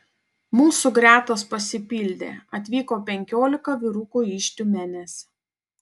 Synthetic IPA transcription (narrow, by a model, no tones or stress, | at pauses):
muːsʊɡɾʲæːt̪oːspɐsʲɪpʲiːlʲd̪ʲḛːɐt̪ʲʋʲiːkoːpʲɛŋʲkʲoːlʲɪkɐʋʲɪɾuːkuːiːʃʲt̪ʲʊmʲenʲɛsʲ